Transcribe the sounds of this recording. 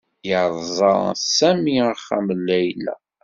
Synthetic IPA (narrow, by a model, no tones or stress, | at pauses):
jəʕðˤzˤɑɾ̰ˤsæmiəχæ̰məlːæjlːæ̰